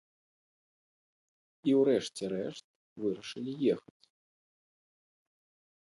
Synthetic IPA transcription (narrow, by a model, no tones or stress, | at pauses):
iwɾɛʂt͡sʲɛɾɛʂt̪̚ | vɨɾɐʂɨlʲijɛxɐt͡sʲ